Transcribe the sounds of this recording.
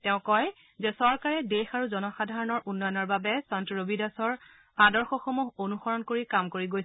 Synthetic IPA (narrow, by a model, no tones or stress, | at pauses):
tɛʊ̃kɔj | zɛsɔɹkaɹɛdexaɹuzɔnɔxadʱaɹɔnɔɹʔunːɔjɔnɔɹbabɛsantiɹobidasɔɹ | adɔɹxɔxomuɦonuxɔɹɔnkoɹikamkoɹiɡoj